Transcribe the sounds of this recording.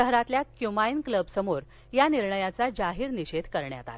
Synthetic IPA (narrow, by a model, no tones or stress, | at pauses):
əɦɾat̪ljakjumajnkləbsəmoɾ | janiɾɳəjat͡sad͡ʑaɦiːɾniɕed̪kəɾɳja̰t̪a̰t̪